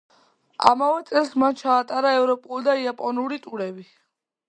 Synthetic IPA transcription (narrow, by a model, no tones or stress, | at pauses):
a̰mavɛt̪sʼɛlˠsmant͡ʃʰaːt̪ʼaɾaɛvɾɔpʼulˠd̪aiapʼɔnuɾit̪ʼuɾɛbi